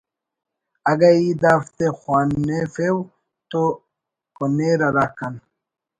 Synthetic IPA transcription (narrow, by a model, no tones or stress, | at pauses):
aɡaid̪aft̪exwaːnːefew | t̪o | koneɾaɾakan